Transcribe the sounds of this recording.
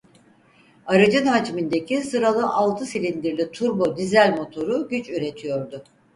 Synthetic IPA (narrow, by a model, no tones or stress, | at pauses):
aɾad͡ʒɯnhad͡ʒmind̪ecʰisɯɾalˠɯʔalˠt̪ʰɯsilʲind̪iɾlʲit̪ʰuɾbo̞d̪izælʲmo̞t̪ʰo̞ɾuɟyt͡ʃyɾe̞t̪ʰijo̞ɾd̪ʊ